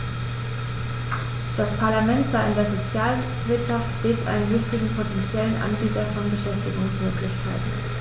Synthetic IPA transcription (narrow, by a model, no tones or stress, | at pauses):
d̥aspʰaɐlamɛntz̥aɪɪndeːɐzot͡sjaːl | vɪɐtʃaftʃteːt͡sʔa̰ɪnənvɪçtɪɡŋ̩pʰotɛnt͡sjɛlənʔa̰nbiːtɐfɔnbəʃɛftɪɡʊŋsmøːklɪçkʰaɪtn̩